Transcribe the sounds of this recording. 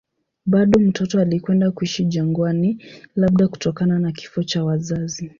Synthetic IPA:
ɓaɗɔm̩tɔtɔalikwɛndakuiʃiʄaŋɡwanilaɓ̚ɗaku̥tɔkananaki̥fɔt͡ʃawazazi

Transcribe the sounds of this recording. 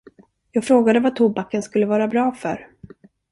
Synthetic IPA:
jɑːɡfɾoːɡad̪əvat̪ʰuːbakːənskɵlːəvɑːɾabɾɑːfœ̰ɾ

